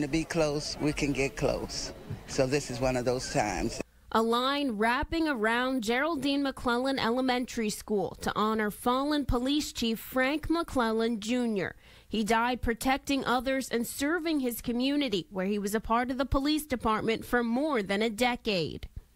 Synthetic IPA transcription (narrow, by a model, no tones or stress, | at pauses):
ntɨbikʰl̥oʊswikʰɨ̃nɡɛt̚kʰl̥o̰ʊssoʊðɪsɨzwʌ̃nʌvðoʊz̥tʰã̰ɪ̃mz | ʔəlãɪ̃nɹæpɪ̃ŋə˞ãʊ̃nd͡ʒɛɹl̩ˠdĩnməkʰl̥ɛlˠə̃nɛ̰lˠəmɛ̃ntʰə˞iskulˠtʰə̰ʔɑnə˞fɑlˠə̃npʰəlist͡ʃʰifɹæ̃ŋkməkʰl̥ɛlˠə̃nd͡ʒʉ̃njə̰˞ | idaɪd̚pʰɹ̥ɨtʰɛk̚tɪ̃ŋʔʌðə˞zɨ̃nsɜ˞vɪ̃ŋɪz̥kʰɨmjʉnɨɾiwə˞iwʌzəpʰɑɹɾʌvðəpʰəlisd̥ɨpʰɑɹt̚mɨ̃ntfə˞mɔɹðɨ̃nɨdɛkeɪd̥